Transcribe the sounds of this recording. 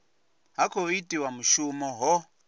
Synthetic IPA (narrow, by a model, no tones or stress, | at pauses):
ɦakoitiwamuʃumɔɦɔ